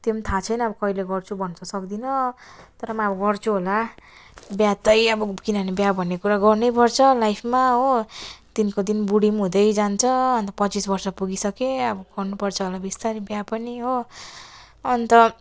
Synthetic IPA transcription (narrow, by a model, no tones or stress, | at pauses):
t̪emt̪ʰat͡sʰʌjnʌʌbʌkʌileɡʌrt͡sʰubʱʌnt͡sʰʌsʌkd̪inʌt̪ʌɾʌmʌʌbʌɡʌrt͡sʰuɦola | bjat̪ʌjʌbʌkinʌnebjabʱʌnːekuɾaɡʌrnʌjpʌrt͡sʰʌlajpʰmaɦot̪inkod̪inbuɽimɦũd̪ʌjd͡zant͡sʰʌnt̪ʌpʌt͡sisbʌrsʌpuɡisʌkeʌbʌɡʌrnupʌrt͡sʰʌɦolabist̪aɾibjapʌniɦo | ʌnt̪ʌ